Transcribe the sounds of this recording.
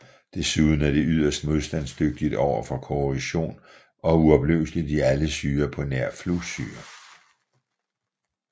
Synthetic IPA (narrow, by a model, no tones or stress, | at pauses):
d̥e̝suðˠn̩æɐɾ̥e̝ʔyð̞̰ˠɐsd̥mo̝ð̞ˠsd̥æn̰sd̥øɡ̥̚d̥id̥ɒʊ̰ɐfɒ̽kʰo̝iɕo̝̰ːn | ɒ̽uɒ̽b̥leʊslid̥iæləsyːɐpʰɒ̽næɐ̰flusyːɐ